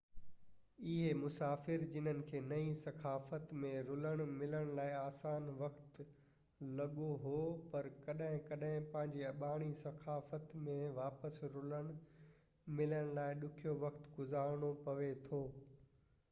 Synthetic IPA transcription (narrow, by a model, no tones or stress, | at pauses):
ɪɦemʊsaːfɪɾd͡ʑɪn̤ənɪ̆kʰeːnɐĩsɐkʰaːfət̪mẽɾʊləɽ̃mɪləɽ̃laːɪaːsaːnʋɐkt̪ | lɐɠoɦopɐɾkɐɗɦɪ̃kɐɗɦɪ̃pɐ̃ɦɪ̃ɲd͡ʑiɐɓaːɽ̃isɐkʰaːfət̪mẽʋaːpəsɾʊləɽ̃ | mɪləɽ̃laːɪɗʊkʰijoʋɐkt̪ɡʊzaːɾɽ̃opɐʋet̪ʰoː